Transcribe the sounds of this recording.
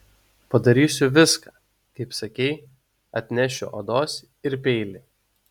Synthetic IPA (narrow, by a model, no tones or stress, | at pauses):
pɐd̪ɐɾʲiːsʲʊʋʲɪskɑː | kɐɪpsɐkʲɛɪ | ɐt̪ʲnʲɛʃʲʊ̰ʔɐd̪oːs | ɪɾpʲɛɪlʲɪ